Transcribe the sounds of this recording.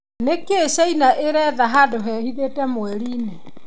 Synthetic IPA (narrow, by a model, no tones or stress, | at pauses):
nekeːʃɛinaʔeɾɛðaɦadoɦɛːhiðetɛmwɛɾiːne